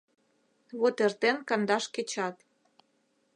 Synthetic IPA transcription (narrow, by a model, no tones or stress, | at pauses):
βot̪ert̪enkɑnd̪ɑʃket͡ɕɑt̪